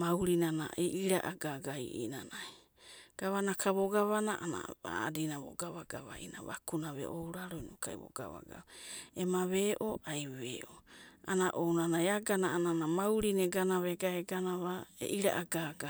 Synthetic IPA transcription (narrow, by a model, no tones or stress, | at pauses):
mawɾinana̰ʔeʔiɾaʔaɡaɡaijʔḭnanaj | ɡ̥aβanakʰaβoɡaβanaʔana̰a̰dinaβo̰ɡaβaɡaβa̰ʔina̰βa̰kunaβḛʔowɾaɾojnokʰajβo̰ɡ̥a̰βa̰ɡa̰βemaβeʔoʔajβeʔoanaʔownanajaɡanaːnanamawɾineɡanaβeɡaeɡanaβaḛʔiɾa̰ʔaɡaɡa